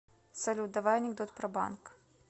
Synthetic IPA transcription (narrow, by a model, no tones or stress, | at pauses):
sɐlʲut̪̚d̪ɐvajɐnʲɪɡd̪ɔt̪pɾɐba̰nk